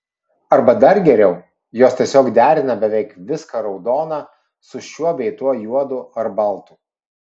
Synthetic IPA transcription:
ɐɾbɐd̪ɐɾɡʲɛɾʲɛʊ | joːst̪ʲiɛsʲoːkd̪ʲæːɾʲɪnɐbʲɛʋʲɛɪkʋʲɪskɐɾɒʊd̪oːnɑː | sʊʃʲuɔbʲɛɪt̪uɔjuɔd̪ʊɐɾbɐlˠt̪ʊ

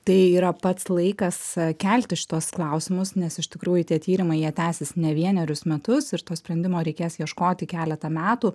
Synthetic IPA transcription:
t̪ɐɪiːɾɐpɐt̪slˠɐɪkɐskʲɛlʲt̪ʲɪʃʲɪ̥t̪uɔsklˠɐʊsʲɪmʊsnʲɛsɪʃʲt̪ʲɪkɾuːjʊt̪ʲiɛt̪ʲiːɾʲɪmɐɪjiɛt̪ʲæːsʲɪsnʲɛʋʲiɛnʲɛɾʲʊsmʲɛt̪ʊsɪɾt̪oːsʲpʲɾʲɛnʲd̪ʲɪmoːɾʲɛɪkʲeːsjiɛʃkoːt̪ʲɪkʲæːlʲɛt̪ɐmʲæːt̪uː

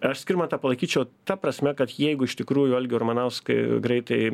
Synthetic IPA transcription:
ɐʃsʲkʲɪɾrmɐt̪ɑːpɐlˠɐɪkʲiːt͡ʃʲɛʊt̪ɐprɐsʲmʲɛkɐt̪jɛɪɡʊɪʃt̪ʲɪkɾuːjʊɐlʲɡʲɪʊrmɐnɐʊskɐɪɡɾɐɪt̪ɐɪ

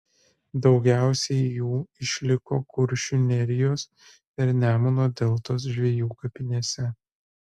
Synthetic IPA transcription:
d̪ɒʊɡʲæˑʊsʲɛɪjuːɪʃʲlʲɪkoːkʊɾʲʃʲʊnʲɛɾʲɪjoːs | pʲɛɾnʲæːmonoːd̪ʲɛlˠt̪oːs̬ʒʲʋʲijuːkɐpʲɪnʲeːsʲɛ

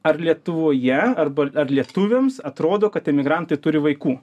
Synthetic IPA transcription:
ɐrlʲiɛt̪ʊʋoːjɛɐrbɐɐrlʲiɛt̪ʊʋʲeːmsɐt̪ɾoːd̪oːkɐt̪ɛmʲɪɡɾɐnt̪ɐɪt̪ʊɾʲɪʋɐɪkuː

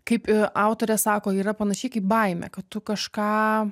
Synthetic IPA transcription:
kɐɪpɑʊt̪oːɾʲɛsɑːkoːiːɾɐpɐnɐʃʲɛɪkɐɪp̚bɐɪmʲɛ̰kɐtt̪ʊkɐʃkɑː

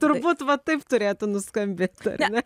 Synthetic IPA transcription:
t̪ʊɾbuːt̪ʋɐt̪ɐɪpt̪ʊɾʲeːt̪ʊnʊskɐmʲbʲeːt̪ɐ̰rʲnʲɛ

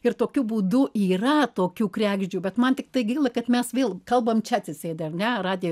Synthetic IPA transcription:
ɪrt̪oːkʲubuːd̪ʊʔiːrɐt̪oːkʲuːkɾʲæːɡʒʲd͡ʒʲuːbʲɛt̪mɐnt̪ʲɪk̚t̪ɐɪɡʲɐɪlˠɐkɐt̪mʲɛsʋʲeːlˠkɐlˠbɐmt͡ʃʲɛɐt̪ʲsʲɪsʲeːd̪ʲɛɐrnʲɛrɑːd̪ʲɪj

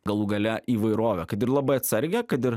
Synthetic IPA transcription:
ɡɐlˠuɡɐlʲɛʔiːʋɐɪɾoːʋʲɛkɐt̪ɪɾlˠɐbɐɪɐt̪ʲsʲɐɾʲɡʲɛkɐt̪ɪɾ

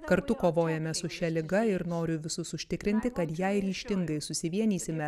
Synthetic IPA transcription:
kɐɾt̪ʊkoːʋoːjɛmʲɛsʊʃʲɛlʲɪɡɐɪɾnoːɾʲʊʋʲɪsʊsʊʃʲt̪ʲɪkɾʲɪnʲt̪ʲɪkɐt̪jɛɪɾʲiːʃʲt̪ʲɪŋɡɐɪsʊsʲɪʋʲiɛnʲiːsʲɪmʲɛ

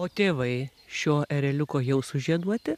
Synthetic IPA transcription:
oːt̪ʲeːʋɐɪʃʲoːʔɛɾʲɛlʲʊkoːjɛʊsʊʒʲiɛd̪uɔt̪ʲɪ

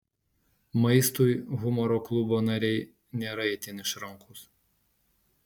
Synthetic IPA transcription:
mɐɪst̪ujɣʊmɔɾoːklˠʊboːnɐɾʲɛɪ | nʲeːɾɐɛɪt̪ʲɪnɪʃɾɐŋkʊs

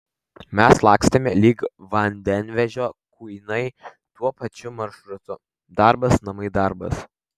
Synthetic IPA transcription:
mʲɛslˠɑːksʲt̪ʲɐmʲɛlʲiːkʋɐnʲd̪ʲɛnʲʋʲɛʒʲoːkuɪnɐɪ | t̪uɔpɐt͡ʃʲʊmɐɾʃɾʊt̪ʊ | d̪ɐɾbɐsnɐmɐɪd̪ɐɾbɐ̰s

